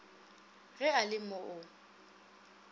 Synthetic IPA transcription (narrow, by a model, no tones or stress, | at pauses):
ɣɛalɪmɔʔʊ